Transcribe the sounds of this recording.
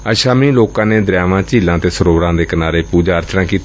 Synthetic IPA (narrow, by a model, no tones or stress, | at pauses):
əʃaːmĩːloːkãːneːd̪əɾjaːʋãːt͡ʃiːlãːt̪eːsəɾoːɾãːd̪eːkənaːɾeːpuːd͡ʒaːəɾt͡ʃnãːkiːt̪